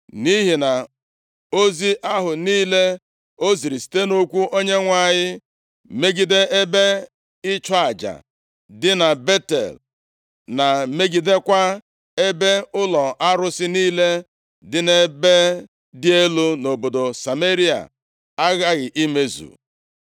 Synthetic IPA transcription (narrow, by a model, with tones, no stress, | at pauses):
ni˦ɦi˨na˨ | o˦zi˦ʔa˦ɦʊ˨niː˦le˦ | o˦zi˨ɾi˨si̥˨˦te˦no˦kʷu˦ʔo˦ɲe˦ŋʷa˨ɲɪ˦ | me˦ɡi˨de˦ʔe˦be˦ | ɪ˦t͡ʃɔ˦a˨d͡ʒa̰˨ | dɪ˦na˨be˦tḛ˨l | na˨me˦ɡi˦de˦kʷa˦ | e˦be˦ʊ˦lɔ˨ʔa˦ɾʊ˦sɪ˦niː˦le˦ | dɪ˦ne˦be˦ | dɪ˦e˦lu˦no˨bo˨do˨sa˨me˦ɾi˦a̰˨ | a˦ɣa˦ɣɪ˨ʔi˦me˦zṵ˨